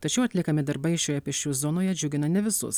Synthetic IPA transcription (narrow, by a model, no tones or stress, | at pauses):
t̪ɐt͡ʃʲɛʊɐt̪lʲɪkɐmʲɪd̪ɐɾbɐɪʃʲoːjɛpʲɪʃʲt͡ʃʲuːzɔnoːjɛd͡ʒʲʊɡʲɪnɐnʲɛʋʲɪsʊ̰s